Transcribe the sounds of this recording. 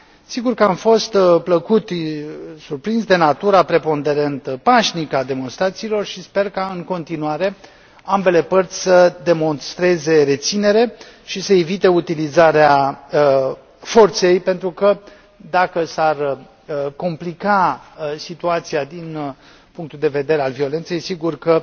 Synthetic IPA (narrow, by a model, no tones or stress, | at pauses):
siɡurkəamfo̞st̪pləkut̪ | surpɾinsd̪e̞nat̪uɾapɾe̞po̞nd̪e̞ɾe̞nt̪paʃnikad̪e̞mo̞nst̪ɾat̪siːlo̞rʃispe̞rkaɨŋko̞nt̪inuaɾe̞ | ambe̞le̞pərt̪sʲsəd̪e̞mo̞nst̪ɾe̞ze̞ɾe̞t̪sine̞ɾe̞ | ʃisəevit̪e̞ut̪ilizaɾea | fo̞rt̪se̞jpe̞nt̪ɾukə | d̪akəsar | ko̞mplikasit̪uat̪siad̪in | puŋk̚t̪uld̪e̞ve̞d̪e̞ɾealvio̞le̞nt̪sejsiɡurkə